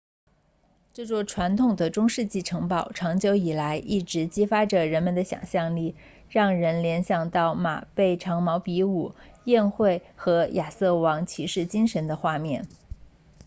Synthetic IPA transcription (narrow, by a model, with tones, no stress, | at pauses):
ʈ͡ʂɤ˥˩t͡swɔ˥˩ʈ͡ʂʰwa˧˥nt̪ʰʊ˨˩ŋd̪ə˩ʈ͡ʂʊ˥ŋʂɻ̩˥˧t͡ɕi˥˩ʈ͡ʂʰɤ˧˥ŋpɑ˨˩ʊʈ͡ʂʰɑ˧˥ŋt͡ɕjo˧˥ʊi˨˩la˧˥ɪʔi˥˩ʈ͡ʂɻ̩˧˥t͡ɕi˥fa˥ʈ͡ʂə˨ɻə˧˥nmə˧˨nd̪ə˦ɕjɑ̰˨˩ŋɕjɑ˥˧ŋli˥˩ | ɻɑ˥˩ŋɻə˧˥nljɛ˧˥nɕjɑ˨˩ŋt̪ɑ˥˩ʊma̰˨˩pe˥˩ɪʈ͡ʂʰɑ˧˥ŋmɑ˧˥ʊpi˧˥u˨˩˦jɛ˥˧nxwe˥˩ɪxɤ˧˥jʔa˨˩sɤ˥˩wɑ˧˥ŋt͡ɕʰi˧˥ʂɻ̩˥˩t͡ɕi˥ŋʂə˧˥nd̪ə˧xwa˥˧mjɛ˥˩n